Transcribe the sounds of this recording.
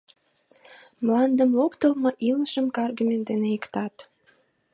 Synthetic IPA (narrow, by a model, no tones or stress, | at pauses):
mlɑnd̪əmlokt̪əlmɤʔiləʃəmkɑrɡumend̪eneikt̪ɑt̪